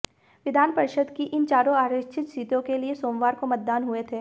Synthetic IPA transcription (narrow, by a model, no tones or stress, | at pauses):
ʋɪd̪ʱaːnpəɾɪʃəd̪kiʔɪnt͡ʃaːɾõaːɾɪt͡ʃʰɪt̪siːt̪õkeliesoːmʋaːɾkomɐt̪̚d̪aːnɦuet̪ʰeː